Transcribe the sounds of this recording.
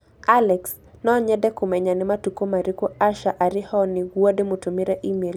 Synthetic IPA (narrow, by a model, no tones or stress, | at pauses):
alɛks | nɔɲɛdɛkʊmɛɲanɪmatukomaɾikoaʃaʔaɾɪhɔnɪɡwademutumɪɾɛʔimel